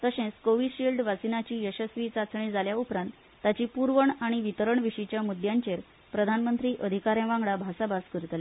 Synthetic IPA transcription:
t̪əɕẽt͡skoʋiɖɕilɖʋasinat͡ɕiːjəɕəsʋiːt͡sat͡sɳ̃id͡zaljaupɾãnt̪ːat͡ɕiːpuɾʋəɳaɽ̃iʋit̪əɾəɳʋiɕit͡ɕjamud̪jãɲt͡ɕeɾ | pɾəd̪ʱanmənt̪ɾiːʔəd̪ʱikaɾjãʋãŋɡɭabʱasabaskəɾt̪le

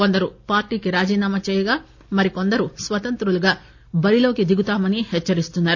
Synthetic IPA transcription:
ko̞nd̪ɐɾupaːɾʈiːkiɾaːd͡ʒiːnaːmɐt͡ʃɛːjɐɡaː | mɐɾiko̞nd̪ɐɾusʋɐt̪ɐnt̪ɾuluɡaː | bɐɾilo̞ːkid̪iɡut̪aːmɐnihɛt͡ʃːɐɾist̪unːaːɾu

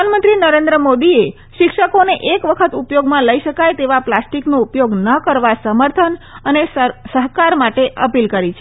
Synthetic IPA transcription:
anmənt̪ɾinəɾend̪ɾəmod̪ie | ʃɪkʃəkoneʔekʋəkʰət̪upjoɡmãləiʃəkajt̪eʋaplasʈiknoupjoɡnəkəɾʋasəməɾt̪ʰənənesəɦkaɾmaʈeʔəpilkəɾit͡ʃʰe

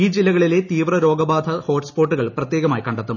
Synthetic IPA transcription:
iːd͡ʑilːɐɣɐɭile̞t̪iːʋrɐɾo̞ːɡɐbaːd̪ʱʰɐho̞ːʈspoːʈːuɣɐɭprɐt̪ːjeːɣɐmaːjikɐɳɖɐt̪ːum

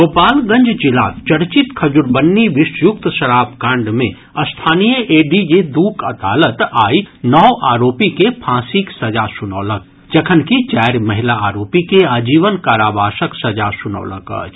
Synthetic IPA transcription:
ɡoːpaːlɡɐ̃ɲd͡ʒd͡ʒɪla̰ːt͡ʃɐɾt͡ʃɪt̪kʰɐd͡ʒʊɾbənːiʋɪʃjʊk̚t̪ʃɐɾaːbkãːɳɖmẽ | ɐst̪ʰaːnijəʔeːɖid͡ʒed̪uːkʰɐd̪aːlət̪aːinɔːʔaːɾoːpikepʰãːsiksɐd͡ʒasʊnɔːlək̚ | d͡ʒɐkʰənkit͡ʃɛːɾmɐɦɪlaaːɾoːpikeaːd͡ʒiːʋənkaːɾaːbʱaːʃəksɐd͡ʒasʊnɔ̰ːlə̰ka̰ːd͡ʒ

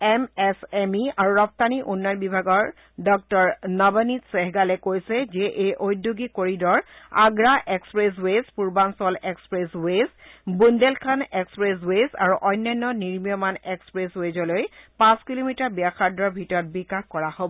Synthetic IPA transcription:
ɛmɛsɛmiaɹuɹɔp̚taniʔunːajnbibʱaɡɔɹ | dɔk̚tɔɹnabənitseɦɡalɛkojsɛzɛʔejʔojdːoɡikoɹidɔɹaɡɹaʔekspɹes̬wespuɹbansɔlekspɹeswesbundelkʰanekspɹes̬wesa̰ɹuʔɔjnːɔjnːɔniɹmijɔmanekspɹeswezɔlojpãskilomitaɹbijaxaɹdɹɔɹbʱitɔɹɔt̚bikaxkɔɹahobɔ

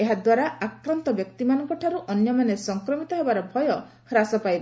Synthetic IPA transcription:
eɦad̪waɾaakɾant̪ɔbjɔk̚t̪imanɔŋkɔʈʰaɾuʔɔnjɔmanesɔŋkɾɔmit̪ɔɦebaɾɔbʱɔjɔ | kʰɾasɔpajbɔ

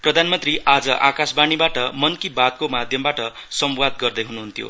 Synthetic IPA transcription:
prʌd̪ʱanmʌnt̪riʔad͡zʌʔakasbanibaʈʌmʌnkibad̪̚komad̪ʱjʌmbaʈʌ | sʌmwad̪ɡʌrd̪ʌjɦunuɦunt̪jo̰

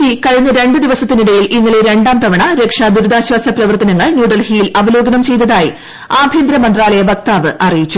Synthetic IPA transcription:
ikɐɻiɲːɐɾe̞ɳɖɨd̪iʋɐsɐt̪ːiniɽɐjilinːiɭeɾe̞ɳɖaːmt̪ɐʋɐɳɐɾe̞kʂad̪uɾud̪aːɕwaːsɐprɐʋɐrt̪ɐnɐŋːɐɭnjuːɖɐlhiːilɐʋɐlo̞ːɡɐnɐmt͡ɕe̞jt̪ːɐðaːji | aːbʱjiːnd̪ɾɐmɐnd̪raːlɐjɐbɐk̚t̪aːʋɨʔɐrijit͡ɕːu

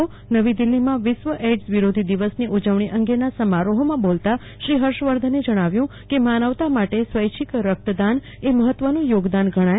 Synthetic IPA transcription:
o | nəʋid̪ilːimãʋɪʃʋəʔeɖsʋiɾod̪ʱid̪iʋəsniʔud͡ʒəʋɳ̃iʔə̃ŋɡenasəmaɾoɦomãbolt̪a | ʃɾiɦəɾʃʋəɾd̪ʱəned͡ʒəɽ̃aʋjũkemanəʋt̪amaʈesʋəjt͡ʃʰikɾək̚t̪əd̪an | eməɦət̪ʋənũjoɡd̪anɡʱəɽ̃aj

